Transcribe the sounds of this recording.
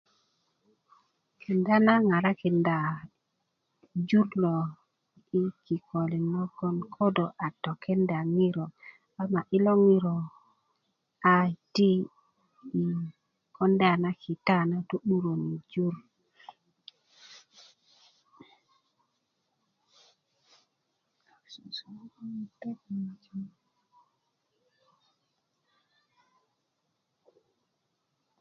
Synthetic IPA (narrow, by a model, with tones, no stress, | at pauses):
kʰi˨nda˦na˦ŋa˨ɾa˦ki˨nda˨ | d͡ʒu˦ɾlo˨ | i˦ki˨ko˨li˨no˦ko˦nkʰo˦do˨ʔa˨to˨kʰɛ˦nda˨ŋi˦ɾo˨ | a˨ma˨ʔi˦lo˦ŋi˦ɾo˨ | a˨ti˦ | i˨ | ɔ˦nde˦a˨na˦ki˨ta˦˨na˦to˦ɓu˦ɾo˨ni˨d͡ʒu˦ɾ